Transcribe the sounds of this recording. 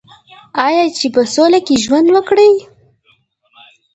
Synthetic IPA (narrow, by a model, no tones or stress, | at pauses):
ɑjɑt͡ʃepəsolakeʒwand̪wəkɽəj